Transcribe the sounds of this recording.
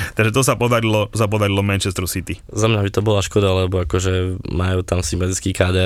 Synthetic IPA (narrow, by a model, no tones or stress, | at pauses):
t̪aɡʒɛt̪ɔs̬apɔd̪aɾilɔt̪ɔs̬ap̬ɔd̪aɾilɔmɛnt͡ʃɛst̪ɾɔsit̪izamɲabit̪ɔbɔlaʃkɔd̪alɛbɔakɔʒɛmajuːt̪amsimbat̪it͡skiːkaːd̪ɛ